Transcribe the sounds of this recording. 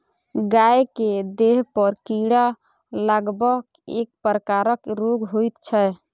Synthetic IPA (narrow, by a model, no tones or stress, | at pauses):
ɡaeked̪eɦpəɾkiɽa | laɡbək | ek̚pɾəkaɾəkɾoɡɦojt̪t͡ʃʰɛ